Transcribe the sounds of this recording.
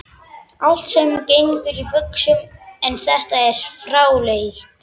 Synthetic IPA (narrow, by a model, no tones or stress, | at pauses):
awl̥t̪sɛmcejŋkʏɾivʏksʏɛnθɛht̪aɛɾ̥fɾawlejjɪht̪